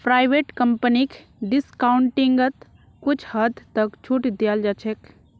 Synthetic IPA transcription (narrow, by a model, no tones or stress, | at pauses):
pɾajʋeʈkəmpənik | ɖiskaʊɳʈiŋɡət̪ | kut͡ʃʰhəd̪ʱt̪əkt͡ʃʰuʈd̪ijald͡ʒat͡ʃʰek